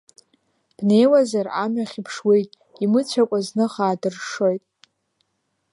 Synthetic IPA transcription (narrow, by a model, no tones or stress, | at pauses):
b̥ne̞jwazara̰mɥaχʲipʰʂwe̞jtʼ | imɨt͡ɕʷʰakʷʼaznɨχaːdɨrʂo̞jtʼ